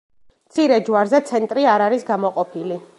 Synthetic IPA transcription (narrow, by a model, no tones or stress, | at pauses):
mt̪sʰiɾɛd͡ʒwaɾzɛt̪sʰɛnt̪ʼɾiaɾaɾisɡamɔqʼɔpʰili